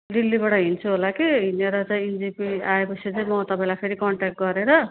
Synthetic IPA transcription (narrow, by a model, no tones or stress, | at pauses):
ɖilːibaɽʌɦint͡sʰuɦolakiɦineɾʌt͡sãĩind͡zipiaepʌsʰit͡saĩmʌt̪ʌpãĩlapʰeɾikʌɳʈak̚ʈ̚ɡʌɾeɾʌ